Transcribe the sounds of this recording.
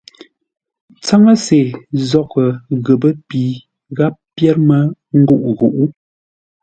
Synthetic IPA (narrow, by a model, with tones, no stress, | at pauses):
t͡sa˦ŋə˦se˨zɔ˦kə˨ɣə˨bə˦pi˨˦ | ɣa˦p̚ːjɛ˦ɾmə˦ŋ̩˦ɡu˦˨ʔɣu˨ʔu˦